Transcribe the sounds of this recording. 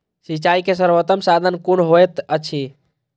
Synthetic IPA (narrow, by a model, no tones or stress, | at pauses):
sit͡ʃaikes̬əɾbət̪əmsad̪ʱənkunɦojt̪ət͡ʃʰi